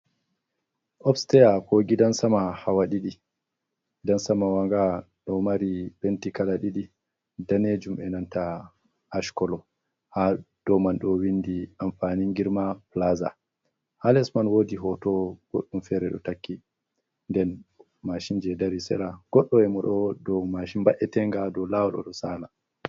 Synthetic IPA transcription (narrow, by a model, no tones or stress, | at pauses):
ʔɔfstɛjakoɡidansamahawaɗiɗi | dansamawaŋɡa | ɗɔmaɾipentikalaɗiɗi | daned͡ʒumʔɛnantaː | ʃkɔlɔ | had̥ɔmanɗɔwindiʔamfaniŋɡiɾmaplaza̰ | halɛsmanwoːdiɦɔtɔɡ̥o̰ɗːumfɛɾɛɗɔ̰takːi | ndɛn | maʃind͡ʒɛdaɾisɛ̰ɾaɡ̥ɔɗːɔɛmɔɗɔdɔmaʃimbaʔɛtɛŋɡadɔlawɔɗɔ̰ɗɔsana